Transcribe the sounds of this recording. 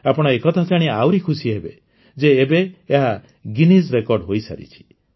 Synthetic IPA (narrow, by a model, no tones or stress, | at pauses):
apɔɽ̃ɔekɔt̪ʰat͡ʃaɽ̃iawɾikʰusiɦebe | d͡ʒeːbeːɦa | ɡinisɾekɔɾɖɦojsa̰ɾḭt͡ʃʰi̥